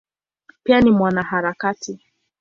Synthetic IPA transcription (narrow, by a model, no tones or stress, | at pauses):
pianimwanaɦaɾakati